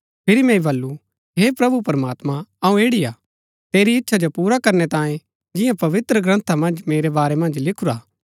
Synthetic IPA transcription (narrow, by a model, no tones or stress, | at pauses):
pʰɪɾimɛ̃ibɐlːu | ɦepɾɐbupɐɾmaːt̪mãɐũeːɽijaː | t̪eːɾiɪtːʃʰad͡ʒopuːɾakɐɾnet̪ãːjẽ | d͡ʒɪjãpɐʋɪt̪ɾəɡɾɐ̃nt̪ʰamɐ̃nd͡ʒmeːɾebaːɾemɐ̃nd͡ʒlɪkʰuɾaː